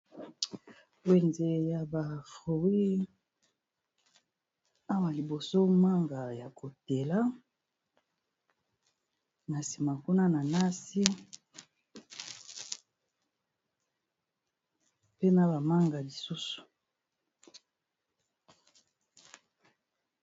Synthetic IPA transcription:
we˨nze˨ja˨ba˨fʁo˨wi˦ | a˦wa˨li˨bo˨so˦ma˦ŋɡa˨ja˨ko˨te˨la˦ | na˨si˨ma˨ku˦na˦na˨na˦si˦ | pe˦na˨ba˨ma˦ŋɡa˨li˨su˦su̥˨

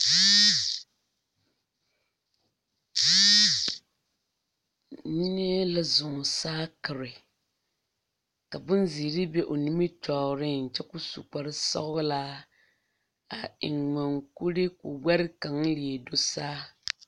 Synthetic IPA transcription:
ni˦n˦ɛ˦la˦zʊ˨ŋ˨saː˦kɨ˨ɾɪ˨ | ka˨bʊ˦n˦ziː˨ɾɪ˦bɛ˦ʔo˨ni˦mi˦tɔː˨ɾɪ˦n̩˨t͡ʃɛ˦kʊ˦sṵ˨k͡pa˨ɾɪ˦sɔ̰˦ɣʊ˦laː˦ | a˨ɪ̰˨ŋŋa˨ŋku˦ɾe˦kʊ˨wɛ˦ɾɪ˦ka˨ŋli˨ɛ˨do˦saː˦

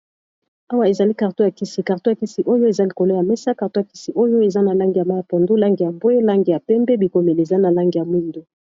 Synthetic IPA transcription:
a˦wa˦e˨za˨li˦ka˨ʁto˦ja˨ki˦si˨ka˨ʁto˦ja˨ki˦si˨ʔo˦jo˦e˨za˦li˨ko˨lo˦ja˨mɛ˦sa˦ka˨ʁto˦ja˨ki˦si˨ʔo˦jo˦e˨za˦na˨la˦ŋɡi˨ja˨ma˦ja˨po˨ndo˦la˦ŋɡi˨ja˨mbo˦e˦la˦ŋɡi˨ja˨pɛ˦mbɛ˦bi˨ko˨me˨le˨e˨za˦na˨la˦ŋɡi˨ja˨mwi˦˨ndo˦

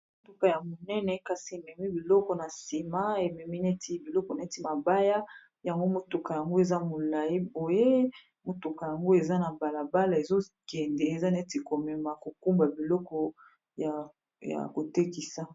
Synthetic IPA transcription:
mo˨tu˦ka˨ja˨mo˨nɛ˦nɛ˨ka˨si˨e˨mɛ˨mi˦bi˨lɔ˦kɔ˨na˨si˨ma˦e˨mɛ˨mi˦nɛ˦tʰi˦bi˨lɔ˦kɔ˨na˨˦ti˨ma˨ba˦ja˦ | ja˨ŋɡo˦mo˨tu˨ka˨ja˨ŋɡo˦e˨za˦mo˨la˨ji˦bo˨je˦ | mo˨tu˨ka˨ja˨ŋɡo˦e˨za˦na˨ba˨la˨ba˦la˨e˨zo˦kɛ˨ndɛ˨e˨za˦n˦e˦ti˨ko˨mɛ˨ma˨ko˨ku˦mba˨bi˨lɔ˦kɔ˨ | ja˨ | ja̰˨ko˨te˦ki˨sa˦

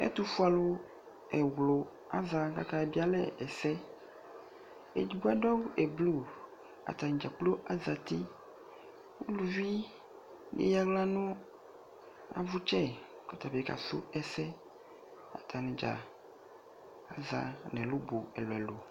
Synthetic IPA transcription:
ḛ˦t̪u˦fu˦a˨lo˦ | ɛ˨wlo˨ | a˦za˨ka˦ka˦e˨bi˦a˦lɛ˦ɛ˨sɛ˦ | ḛ˨d͡ʒi˨ɡu˦a˦ɖɔ˦we˨blu˦˨ | a̰˨t̪a˨nĩ˨d͡ʒa˨k͡plo˦ʔa˦za˨t̪i˦ | wu˦lu˨vi˦ | nḛ˦ja˦ɡla˦nũ˦ | a̰˨vu˦t͡ʃɛ˦ | kɔ˦t̪a˨be˨ka̰˨so̰˦ɛ˦˨sɛ˦ | a̰˨t̪ʰa˨nɛ̃˨d͡ʒa̰˨ | a˨za̰˨nɛ̃˨lo˦bo˨ɛ˨lɔ˨ɛ˨lo˨

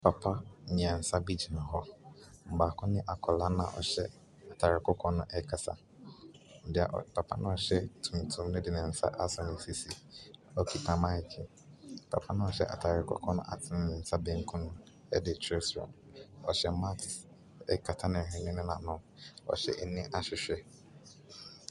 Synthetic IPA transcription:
pʰa˨pʰa˦ɲɪ̃˨ɛ˨n̩˨sa˦bi˦d͡ʑi˨nã˨ɦɔ˦m̩˨baː˨kʰʊ̃˦nɪ̃˦ʔa˨kʰɔ˨la˦nã̰˨ʔɔ̰˨ɕɛ˦ | a˨tʰa˨ɾɪ˨kʰɔ˦kʰɔ̃˦nʊ̃˦ʔɛ˦kʰa˨tʰa̰˨ | n̩˨dɪ˨a̰˨ʔpʰa˨pʰa̰˦nã˦ɔ˨ɕɛ˦tʰũ˨m˨tʰũ˨mnɪ̃˦dɪ˨nɪ̃˨n̩˨sa̰˦ʔa˦sɔ˨nɪ̃˨si˨si˨ɔ˦kʰi˨tʰã˨mã˦ɪ˨kʰɪ˨ | pʰa̰˨pʰa˦nʊ̃˦ɔ˨ɕɛ̰˦ʔa̰˨tʰa˨ɾɪ˨kʰɔ̰˦kʰɔ̃˦nʊ̰̃˦ʔa̰˨tʰɪ˦nɪ̃˨n̩˦sa˦bẽ˦ŋ˦kʰũ˦nʊ̃˦ | ɛ̰˦dɪ˨t͡ɕʰɾɛ˦sɾɔ̰̃˨mɔ˨ɕɛ˦ma˦tʰ | ɛ̰˦kʰa˨tʰa˦nɪ̃˨ɦɪ̃˦nɪ̃˦nɪ̃˦nã̰˨˦nʊ̃˦ | ɔ̰˨ɕɛ̰˦˨ʔɛ˨nɪ̃˦ʔa˦ɕᶣɪ˨ɕᶣɛ˦

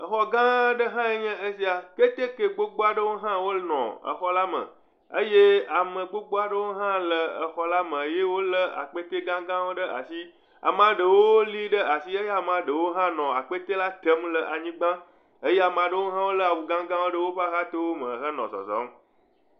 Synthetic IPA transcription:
ə˨xɔ˦ɡã˦ɖə˦ɦã˦e˦ɲɛ̃˦ʔe˦si˦a˨ke˦t̪e˦ke˦ɡ͡bo˦ɡ͡bo˦a˦ɖə˦wo˦ɦã˦wo˦nɔ̰̃˨ə̰˨xɔ˦la˦mə̰̃˨ | ə̰˦je˦a˨mə̃˨ɡ͡bo˦ɡ͡bo˦a˦ɖə˦wo˦ɦã˦lə˨ə˨xɔ˦la˦mə̃˨je˦wo˦lə˦a̰˨k͡pe˦t̪e˦ɡã˦ɡã˦wo˦ɖə˦ʔa̰˨si˦ | a̰˨m˦ã˨ɖə˨wo˦o˦li˦ɖə˦a˨si˦e˦je˦a˨m˨ã˨ɖə˨wo˦ɦã˦nɔ̃˨a˨k͡pe˦t̪e˦la˦t̪ə˦mlə˨ʔa˨ɲĩ˦ɡ͡bã˦ | ə˦je˦a˨m˨ã˨ɖə˦wo˦ɦã˦wo˦lə˦a˨wu˨ɡã˦ɡã˦wo˦ɖə˦wo˦ɸa˦ɣa˦t̪o˦wo˦mə˨xə˦nɔ̰̃˨zɔ̰˨zɔ̰˦m

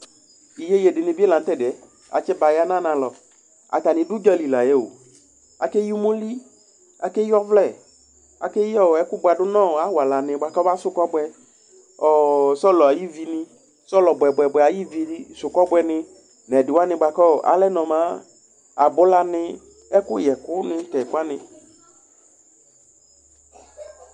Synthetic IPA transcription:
i˨je˦je˨dɪ˨nɪ̃˨bi˦ɛ˦lã˨n˦t̪ɛ˦˨dɪ˨ɛ˨ | a̰˨t͡ʃɛ˦ba˨ja˦nã˦nã˨lɔ˨ | a̰˨t̪a˨nɪ̃˨dʊ˦d͡ʒɔ˦li˨la˨je˦wo̰˨ | a̰˨ke˦ju˦mũ˦li˦ | a̰˨ke˦jɔ˦vlɛ˦˨ | a̰˨ke˦jɔ˦˨ɛ˦kʊ˦bʊ˨a˨dʊ˦nɔ̃˦˨a˨wa˨la˨nɪ̃˨ba˨kɔ˦ba˦sʊ˦kɔ˦bɛ˦ | ɔ˨sɔ˦lɔ˨a˨ji˦vi˨nɪ̃˨ | sɔ˦lɔ˨bɛ˨bʷɛ˨bʷɛ˨a˨ji˦vi˨˦sʊ˨kɔ˦bwɛ˨nɪ̃˧ | nɛ˨dɪ˨wa˦nɪ̃˧˨ba˨kɔ˦˨ʔa̰˦lɛ˦nɔ̃˨mã˦ | a˨bʊ˦la˨nɪ˧ | ɛ˦kʊ˦jɛ˨kʊ˦nɪ˦tɛ˨kʊ˦a˦nɪ̃˨

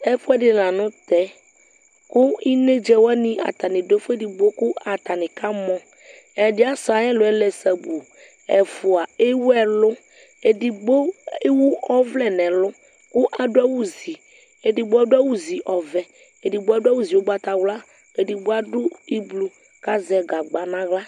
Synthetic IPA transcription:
ɛ˦fʊ˦ɛ˦ɖɪ˨lã˨nʊ̃˦t̪ɛ˦ | kʊ˦i˦nẽ˦d͡ʒɛ˦wnĩ˦ʔa̰˨t̪a˨nɪ̃˨do˦fe˦di˨ɡ͡bo˦kʊ˦a˨t̪a˨nɪ̃˨kʰa˦mɔ̃˦ | ɛ˨dɪ˦a˦sa˨ɛ̃˦lʊ˨ɛ˦lɛ˨sɛ˨bu˨ | ɛ˨fu˨a˨e˦wu˦ɛ˦lʊ˦ | e˨di˨ɡ͡bo˦e˦wu˦ɔ˦vlɛ˨nɛ̃˨lʊ˦ | kʊ˦ʔa˨dʊ˦a˦wu˦zi˨ | e˨di˨bo˦a˦dʊ˦a˦wu˦zi˨ʔɔ˨vɛ˨ | e˨ɖi˨bo˦a˦dʊ˦a˦wu˦zi˨wo˦ba˦t̪a˨wla˦ | e˨ɖi˨bo˦a˦ɖʊ˦i˦blu˨ | ka˦zɛ˨ɡa˨ɡ͡ba˨nã˦ɣla˦

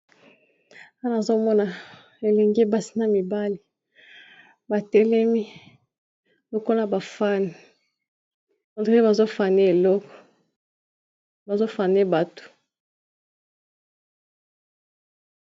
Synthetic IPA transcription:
a˦n˨a˨zo˦mɔ˦na˨ | e˨lɛ˨ŋɡe˦ba˦si̥˦na˨mi˨ba˦li˨ | ba˨tɛ˦lɛ˦mi˦ | bo˦ko˦la˦ba˨fa˦ni˨ | a˨te˦ba˨zo˦fa˨ne˦e˨lɔ˦kɔ̥˨ | ba˨zo˦fa˨ne˦ba˨to̥˨

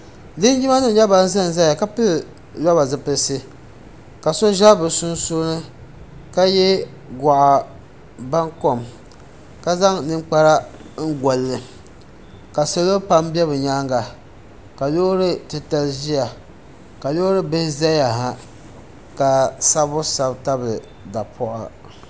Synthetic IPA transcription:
lɨ˦n˦d͡ʒi˦ma˦nɨ˦˨˦ɲa˦ba˦n˦za˦n˨za˦ja˨ka˦pɨ˦l | lɔ˦ba˨zɨ˨pɨ˨˦sɨ˦ | ka˨so˦ʒa˦bɨ˨sʊ˦nsoː˦nɨ˦ | ka˦jɛ˦ | ɡa˨ʔa˨ | ba˦ŋko˨m | ka˦za˦ŋnɨ˦ŋ͡mk͡pa˦ɾa˦ŋ̩˦ɡɔ˨lːɨ˨ | ka˨so˨˦lo˦pa˦mbɛ˦bɨ˨ɲaː˦ŋɡa˨ | ka˨lo˦ɾɨ˦tɨ˦ta˦lʒi˦ja˨ | ka˨lo˦ɾɨ˦bɨ˦hɪ˦za˦ja˨ɦa˨ | ka˨sa˦bʊ˦sa˨bta˦bɨ˨ | da˨pʰɔ˦ʔa˨

